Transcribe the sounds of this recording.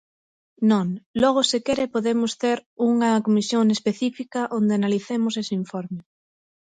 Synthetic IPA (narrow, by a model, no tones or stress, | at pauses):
nõŋlɔɣ̞osɪkeɾepoðemʊst̪eɾuŋɐkomisjoŋespeθifikɐʔond̪eanaliθemʊsesiɱfɔɾme